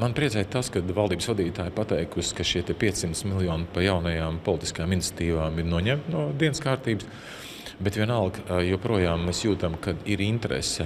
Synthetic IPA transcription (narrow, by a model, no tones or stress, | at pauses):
manpɾʲiɛzɛːjt̪askad̪vɑlˠd̪iːbsvad̪iːt̪aːjpat̪ɛjkusʲkaʃiɛt̪ɛpʲiɛssimt̪smilˠjɔːnpajawnɐjaːmpɔlˠt̪i̥skajaːminit̪sʲɐ̥t̪iːʋaːmiɾnuɔɲɛmt̪nuɔd̪iɛnskaːɾt̪iːbs | bɛt̪ʋiɛnalˠɡjuɔpɾuɔjaːmːeːsjuːt̪amkad̪iɾint̪ɛɾɛ̰sɛ